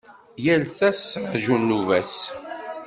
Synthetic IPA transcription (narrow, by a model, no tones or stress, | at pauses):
jælθæsaʒunːuvæs